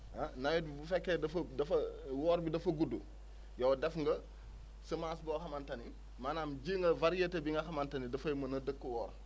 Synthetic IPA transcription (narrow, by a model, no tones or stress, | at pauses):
ɐnɐjɛibufɛkːedɐfɐdɐfɐwɔːɾbidɐfɐɡudːṵ | jɐwdɛfŋɡɐ | səmaːsbɔxɐmantɐni | manaːmɟiːŋɡɐvaɾijetebiŋɡɐxɐmantɐnidɐfɐjmɐnɐdəkːəwɔːɾ